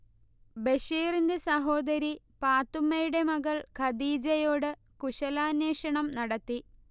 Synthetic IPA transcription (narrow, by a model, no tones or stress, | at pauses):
beɕiːrinde̞sɐɦo̞ːd̪ɐɾi | paːt̪ːumːɐjuɽe̞mɐɣɐɭkʰɐd̪iːd͡ʑɐjo̞ːɽɨ | kuɕɐlaːnːeːʂɐɳɐmnɐɽɐt̪ːi